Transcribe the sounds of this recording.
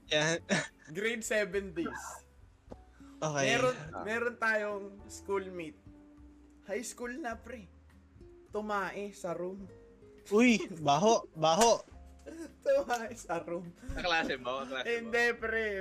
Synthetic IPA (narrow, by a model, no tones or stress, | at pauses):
janɡɾejd̪sɛbɛnd̪is | ʔoːkɛɛɾonmɛːɾont̪aːjoŋskulmɪt̪̚ | hajskulnɐpɾɛ | t̪ʊmaːʔɪsɐɾum | ʔujbaːɦoʔbaːɦoʔ | t̪ʊmaːʔɪsɐɾumɐklaːsɛbaoklaɪnd̪ɛpɾɛ